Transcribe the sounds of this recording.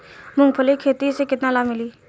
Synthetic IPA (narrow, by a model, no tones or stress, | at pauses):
mʊ̃ŋɡpʰəlikʰeːt̪isekɪt̪nalaːmɪliː